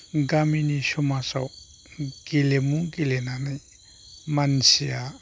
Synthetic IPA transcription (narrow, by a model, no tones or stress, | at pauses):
ɡaminisɔmasaw | ɡ̥ilemuɡilenanaj | mansija